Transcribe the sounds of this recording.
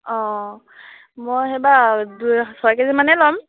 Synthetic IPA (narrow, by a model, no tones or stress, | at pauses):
ɔ̃ | mojxɛbadusɔakɛzimanɛlɔm